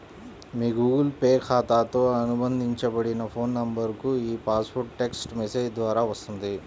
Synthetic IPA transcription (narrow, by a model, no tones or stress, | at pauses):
miːɡuːɡɐlpeːɾkʰaːt̪aːt̪o̞ːɐnubɐnd̪ʱiɲt͡ʃɐbɐɽinɐpʰo̞ːnːɐmbɐɾkuiːpaːspoɾʈʈːe̞ksʈmeseːd͡ʒd̪ʋaːɾaːʋɐst̪und̪i